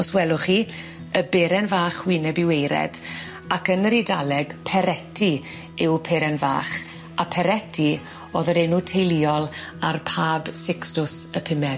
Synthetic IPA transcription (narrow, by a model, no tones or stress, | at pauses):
ɔswɛlˠʊχiː | əbeɾɛnvaːχwinɛbɪwejɾɛ̰d̥ | akənəɾidalɛɡ̥pʰɛɾɛtʰi | ɪwpʰeːɾɛnva̰ːχ | apʰɛɾɛtʰi | oːðəɾenutʰejliːɔlˠarpʰaːbsɪkstʊsəpʰɪmɛ